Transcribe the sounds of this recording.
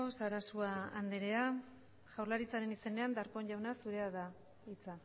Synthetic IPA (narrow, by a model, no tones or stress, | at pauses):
osaɾasuaand̪eɾe̞a | ʝawrlaɾit͡saɾe̞nise̞ne̞and̪aɾko̞ɲʝawnasuɾe̞aða | it͡sa